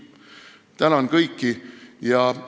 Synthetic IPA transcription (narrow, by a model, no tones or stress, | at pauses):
t̪ænɑnkɤjkːijɑ